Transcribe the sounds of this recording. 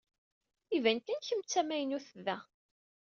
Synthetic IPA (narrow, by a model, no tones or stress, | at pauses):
ivænkænçəmt͡sːæmæjənuθðæ